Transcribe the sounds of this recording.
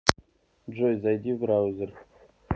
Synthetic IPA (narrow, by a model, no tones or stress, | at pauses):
d͡ʒojzajd̪ivɾawzɨr